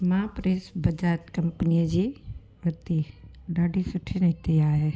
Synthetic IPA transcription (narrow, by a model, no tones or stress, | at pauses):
mãpɾeːsbɐd͡ʒaːt̪kɐmpnijəd͡ʒi | ʋɐt̪i | ɖaːɖisʊʈʰinɐɦt̪iaːɦe